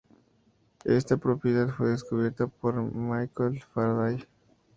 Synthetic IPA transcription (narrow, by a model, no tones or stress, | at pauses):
ḛst̪apɾopjeðaðfweðeskuβjeɾt̪apoɾmajkolfaɾðaj